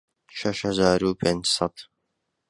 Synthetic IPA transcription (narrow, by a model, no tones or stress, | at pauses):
ʃɐʃhɐzaːɾuːpʰeːnd͡ʒsɑt̪